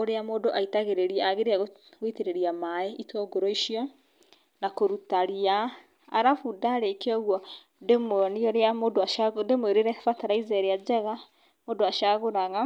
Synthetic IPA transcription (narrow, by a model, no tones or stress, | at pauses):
oɾeamoːdoʔaitaɣeɾeɾiɛaɣeɾeaɣoɣiteɾeɾiamaɛitɔɡoɾɔiʃiɔ | nakoɾutaɾia | aɾafudaɾekɔɣwɔ | demnioɾeamodoaʃademweɾeɾɛfataɾaizɛɾead͡ʒɛɣa | moːdoaʃaɣoɾaɣa